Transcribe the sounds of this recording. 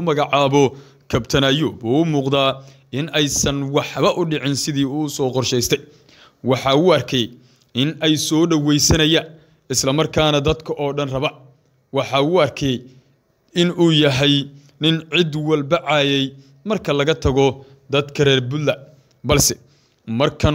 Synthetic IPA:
mɐɣɑʕɑːβɔ | kʰɐbt̪ʰɐnajɔbuːʊmuːqd̪aː | ʔɪnɛjsɐnwɑħβɐʔʊɖɪʕɪnsɪðiːʊʊsɔːqɔrʃɛjst̪ʰɛj | wɑħɑːʊːɐrkʰɛj | ʔɪnɛjsɔːɖɐwɛjsɐnɐja | ɪslɐmɐrkʰaːnɐd̪ɐd̪kʰɐʔɔːɖɐnrɐβɐ | wɑħɑːuːɐrkʰɛj | ɪnuːjɐɦɛj | nɪnʕɪd̪wɐlbɐʕɑːjɛj | mɐrkʰɐlɐɣɐt̪ʰɐɣɔ | d̪ɐd̪kʰɐrɛːrbʊlːɐ | bɐlsɛ | mɐrkʰɐn

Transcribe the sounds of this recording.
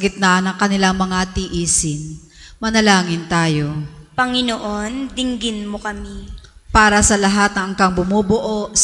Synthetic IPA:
ɡɪt̪̚nɐnɐŋkɐnɪlaŋmɐŋat̪ɪʔiːsɪn | mɐnɐlaːŋɪnt̪aːjo̞pɐŋɪnoʔond̪ɪŋɡɪnmokɐmi | paːɾɐsɐlɐɦat̪̚nɐʔɐŋkaŋbʊmobʊʔoʔ

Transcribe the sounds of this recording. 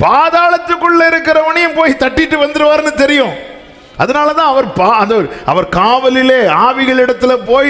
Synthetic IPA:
paːðaːlɐt̪ːɯkːɯɭːɐɪɾɯkːɪɾɐʋɐɳɪjɐmpoːjt̪ɐʈːɪʈːɯʋɐnd̪ɯɾɯʋaːɾɯnːɯt̪ɛɾɪjʊ̃ː | ʔɐðɐnaːlɐt̪ãːɐʋɐɾpaːɐnd̪ɐɾɯʔɐ̰ʋɐɾkaːʋɐlɪleːaːʋɪɣɐɭɪɽɐt̪ːɪlɐpoːj

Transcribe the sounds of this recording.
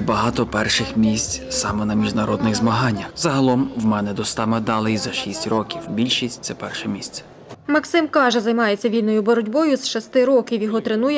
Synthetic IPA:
bɐɦɑt̪ɔpɛrʃɪxmʲisʲt͡sʲsɑmɛnɐmʲiʒnɐɾɔd̪nɪɣzmɐɦɑnʲːɐxzɐɦɐlˠɔmwmɛnɛd̪ɔst̪ɑmɛd̪ɑlˠɪjzɐʃisʲtʲrɔkʲiwbʲilʲʃisʲtʲt̪sɛpɛrʃɛmʲisʲt͡sʲɛ̥ | mɐksɪmkɑʒɛzɐjmɑjet͡sʲːɐʋʲilʲnɔjʊbɔɾɔdʲbɔjʊzʃɔst̪ɪɾɔkʲiwjɔɦɔt̪ɾenujɛ

